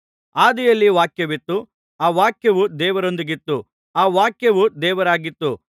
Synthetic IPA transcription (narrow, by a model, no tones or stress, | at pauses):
aːd̪ijɐlːiʋaːkjɐʋit̪ːu | aːʋaːkjɐʋud̪ɛːʋɐɾo̞nd̪iɡit̪ːu | aːʋaːkjɐʋud̪ɛːʋɐɾaːɡit̪ːu